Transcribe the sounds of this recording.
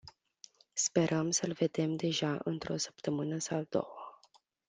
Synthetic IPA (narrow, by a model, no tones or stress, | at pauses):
spe̞ɾʔəmsəlve̞d̪e̞md̪e̞ʒaʔɨnt̪ɾo̞sə̥pt̪əmɨnəsad̪o̞̰wə